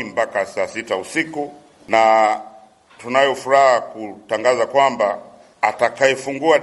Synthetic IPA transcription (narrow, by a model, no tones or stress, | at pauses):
mbakasasitausiku | na | tunajɔfuɾahakutaŋɡazakwambaː | takajɛfuŋɡua